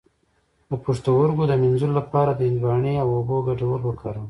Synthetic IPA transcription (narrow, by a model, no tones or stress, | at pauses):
əpuʂt̪awʊɾɡod̪əmɪnzullapɑɾad̪əɪnwɑɳeawoboɡaɖawəɾwəkʰaɾə